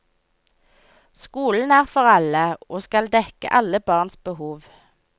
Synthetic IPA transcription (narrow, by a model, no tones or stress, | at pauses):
skuːln̩æːʁfɔʁɑləoːskɑld̪ɛkə̰ʔɑləbɑːʁnsbəhuːʋ